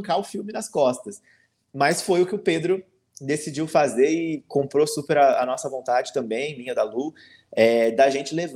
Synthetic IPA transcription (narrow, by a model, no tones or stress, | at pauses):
kaʊfiwmɪnɐskɔst̪ɐs | mɐsfojʊkɪʊped̪ɾʊ | d̪esid͡ʒiwfazeɾɪkõmpɾosupeɾɐɐnɔsɐvõnt̪ad͡ʒɪt̪ɐ̃mbẽj̃mĩɲɐd̪ɐlu | ɛd̪ɐʒẽnt͡ʃɪlev